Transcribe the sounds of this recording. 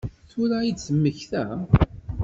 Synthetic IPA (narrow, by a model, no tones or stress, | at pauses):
θʊɾaid̪səmːəçθæ